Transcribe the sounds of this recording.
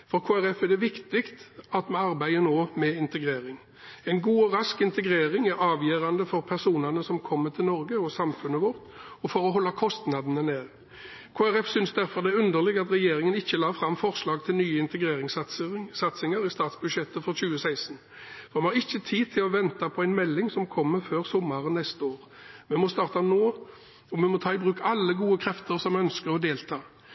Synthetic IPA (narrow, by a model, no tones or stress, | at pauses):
fɔɾkʰoːæɾɛfæd̪ɛʋɪkt̪ɪkt̪ɑt̪mɑnɑʁbæɪənoːmɛɪnt̪əɡɾeːɾɪŋ | ɛɪnɡuːɔɾɑskɪnt̪əɡɾeːɾɪŋæɾɑːʋjøːɾɑnd̪əfɔɾpʰæʁsuːnənəsɔmkʰɔmːət̪ʰɪlnɔɾɡəɔsɑmfʉnəʋʊʁt̪ | ɔfɔɾɔɦɔlːɑkʰɔst̪nɑd̪n̩əneːʁ | kʰoːæʁɛfsʏnsd̪æɾfɔʁd̪ɛæʁʉnd̪əʁlɪɡɑt̪ɾɛjeːɾɪŋənɪçːəlɑːfɾɑmfɔʁslɑːɡ̚t̪ʰɪlnyːəɪnt̪əɡʁeːɾɪŋssɑt̪sɪŋəɾɪst̪ɑːt̪sbʉd̪ʃjɛt̪ːəfɔʁçʉːəsæɪsən | fɔʁɑmhɑʁɪçːət̪ʰiːt̪ʰɪlɔʋɛnt̪ɑpʰɔæɪnmɛlːɪŋsɔmkʰɔmːəføːʁsɔmːɑʁənɛst̪əoːʁ | mɛmɔst̪ɑːʁt̪ɑnoː | ɔmɛmɔt̪ʰɑːɪbʁʉːkaɑlːəɡuːəkʰɾɛft̪əɾsɔmœnskəɾɔd̪eːlt̪ʰɑː